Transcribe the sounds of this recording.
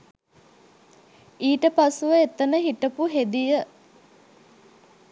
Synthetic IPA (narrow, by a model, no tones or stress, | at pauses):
iːʈəpasuʋəet̪ənəɦiʈəpuɦed̪ijə